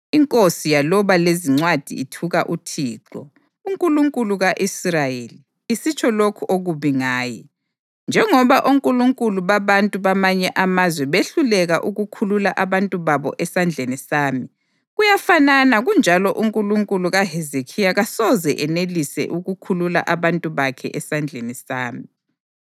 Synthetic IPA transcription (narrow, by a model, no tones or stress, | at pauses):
iŋkʼosijalɔβaleziŋ͡ǀwad̥ʱḭitʰuɣa̰ʔutʰiːǁɔ̰ | uŋkʼuluŋkʼuluɣaʔisrajeli | isit͡ʃʰʼɔlokʰuʔoɣuβiŋaːjɛ̰ | nd͡ʒʱɛŋɔβaʔuŋkʼuluŋkʼuluβaβantʼuβamaɲɛʔamazwɛβeɬulɛɣaʔuɣukʰululaʔaβantʼuβaβɔ̰ʔɛsand͡ɮʱenisaːmi | ɣujafananaɣund͡ʒʱalɔʔuŋkʼuluŋkʼuluɣaɦɛzekʰijaɣasɔzɛʔɛnelisɛ̰ʔuɣukʰulula̰ʔaβantʼuβakʰɛ̰ʔɛsand͡ɮʱenisaːmi